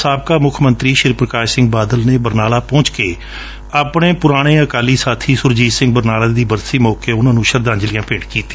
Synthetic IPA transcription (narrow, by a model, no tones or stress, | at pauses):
saːb̚kaːmʊkʰmənt̪ɾiːʃɪɾpɾəkaːʃsɪ̃ŋɡ̚baːd̪əlneːbəɾnaːlaːpɔ̃ːt͡ʃkeː | aːpɽ̃eːpʊɾaːɽ̃eːəkaːliːsaːt̪ʰiːsʊɾd͡ʒiːsɪ̃ŋɡbəɾnaːlaːd̪iːbəɾsiːmɔːkeːʊnãːnũːʃəɾd̪ãːɲd͡ʒlɪjãːpeːʈkiːt̪i̥ː